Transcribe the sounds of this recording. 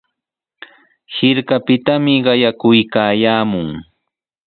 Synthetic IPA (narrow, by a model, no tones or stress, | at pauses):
hɪɾkapɪt̪amɪɢɑjakʊjkaːjaːmʊŋ